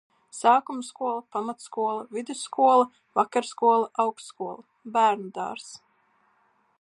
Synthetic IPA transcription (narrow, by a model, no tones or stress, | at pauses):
saːkumskuɔlˠapamat̪skuɔlˠavid̪usːkuɔlˠa | vakaɾskuɔlˠaʔawksskuɔlˠa | bæːɾnud̪a̰ːɾs